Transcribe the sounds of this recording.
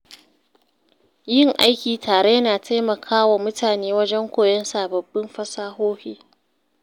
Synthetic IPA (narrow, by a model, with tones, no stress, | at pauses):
jɪ˦˨ŋʔa˦jkʲiː˨tʰaː˨ɽe˦jɐ˦naː˨tʰa˦jmɐ˨kʰaː˦waː˨mʊ˦tʰaː˨neː˦wɐ˦d͡ʒɛ˦ŋkʷoː˨jɐ˦nsaː˨bɐ˨bːɪ˦mɸɐ˦saː˦ɦoː˦ɸiː˦